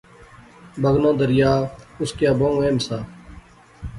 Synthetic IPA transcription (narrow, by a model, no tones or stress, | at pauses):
bəɡnõːd̪əɾɪjaːʊskjaːbõːũeːmsaː